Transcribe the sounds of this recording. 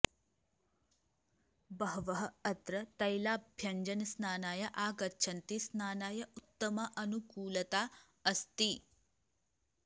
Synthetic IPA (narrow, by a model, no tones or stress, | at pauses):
bɐɦɐʋɐɦɐɐt̪ɾɐt̪ɐjlaːbʱjɐɲd͡ʒɐnɐsnaːnaːjɐʔaːɡɐt͡ʃʰɐnt̪isnaːnaːjɐʔut̪ːɐmɐʔɐnukuːlɐt̪aː | ɐst̪i